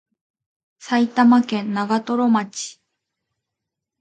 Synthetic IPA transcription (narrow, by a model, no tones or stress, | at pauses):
sait̪amakẽ̞nːaɡat̪o̞ɾo̞mat͡ɕi̥